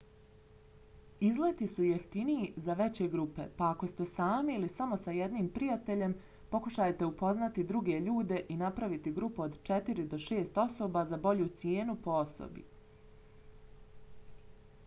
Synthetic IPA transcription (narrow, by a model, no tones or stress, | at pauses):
izlet̪isujeft̪iniizaʋe̞t͡ɕe̞ɡɾupe̞̰paako̞st̪e̞saːmiilisamo̞sajed̪niːmpɾijat̪e̞ʎe̞m | po̞kuʃajt̪e̞upo̞znat̪id̪ɾuɡe̞ʎuːd̪e̞ʔinapɾaʋit̪iɡɾupuo̞d̪t͡ʃet̪iɾid̪o̞ʃe̞ːst̪o̞so̞ːbazabo̞ʎuːt̪sjeːnupo̞o̞so̰bḭ